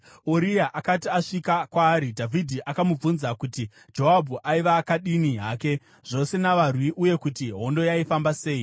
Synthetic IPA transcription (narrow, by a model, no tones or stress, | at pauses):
oɾijaʔakatiaʂikakwaːɾidʱavʱidʱiʔakamub͡vunzakuti | d͡ʒoɦabʱuʔaiʋakaɗiniɦaːke̞ | ʐ̥o̞se̞naʋarwiʔuje̞kutiɦo̞ndo̞jaifambase̞ːi